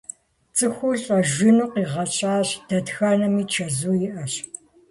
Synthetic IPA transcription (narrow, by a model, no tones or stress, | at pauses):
t͡sʼɨxʷʊɮʼɐʒʷɪnuːqiːʁɐt͡ʃʼaːɕd̥ɐdxaːnɐmiːt͡ʃʰɐzuːjɪʔɐɕ